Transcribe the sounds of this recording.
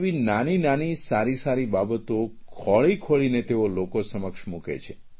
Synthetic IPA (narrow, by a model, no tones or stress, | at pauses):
ʋinaninanisaɾisaɾibabət̪okʰɔɭikʰoɭinet̪eolokosəməkʃmukḛt͡ʃʰe